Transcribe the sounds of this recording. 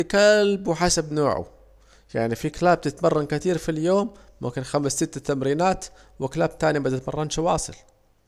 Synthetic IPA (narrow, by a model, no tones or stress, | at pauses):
kalbwħasabnoːʕṵ | ja̰ʕnifiklaːb̚t̪ɪt̪mɑrˤːɑnkɪt̪iːɾfiljoːmːʊ̰mkɪnxamsːɪt̪ːat̪amɾiːnaːt̪wɪklaːb̚t̪aːnibat̪ːat̪mɑ̰rˤːɑnʃɪwɑːsˤɨ̰l